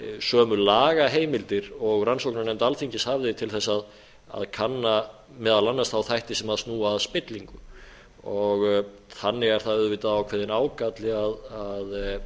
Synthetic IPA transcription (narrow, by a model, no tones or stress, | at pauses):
sœːmʏlaːɣaɦeːjmɪlt̪ɪɾɔɣransowknanɛmt̪alθiɲcɪshavðɪt̪ʰɪlθɛsːað | a̰ðkʰanːa | mɛːðalanːast̪θawθajht̪ɪsɛmaðst̪nuːaðspɪt̪liŋkʏ | ɔɣ | θanːɪɣɛɾ̥θaðʏðvɪːt̪aðawkʰvɛːðɪnaːwkat̪lɪɣaðað